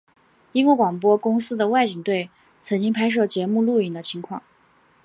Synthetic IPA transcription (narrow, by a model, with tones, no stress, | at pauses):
i˥ŋkwɔ˥˩kwɑ˨˩ŋpwɔ˥kʊ˥ŋsɹ̩˥d̪ə˨wa˥˩ɪt͡ɕi˨˩ŋt̪we˥˩ɪ | t͡sʰɤ˧˥ŋt͡ɕi˥ŋpʰa˥ɪʂ̬ɤ˥˩t͡ɕjɛ˧˥mu˥˧lu˥˩i˨˩nd̪ə˦t͡ɕʰi˧˥ŋkʰwɑ̰˥˩ŋ